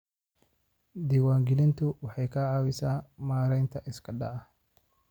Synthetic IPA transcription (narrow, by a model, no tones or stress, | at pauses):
d̪iːwaːŋɡɪlɪnt̪ʰʊwɑħɑjkʰɐʕɑːwɪsaːmaːɾɛjnt̪ʰɐʔɪskʰɐɖɐ̰ɐh